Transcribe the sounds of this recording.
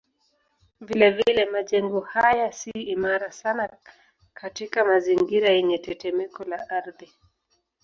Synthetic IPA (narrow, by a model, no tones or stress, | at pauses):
vilɛvilɛmaʄɛŋɡɔhajasiːmaɾasana | kʰatikamaziŋɡiɾajɛɲɛtɛtɛmɛkɔlaʔaɾði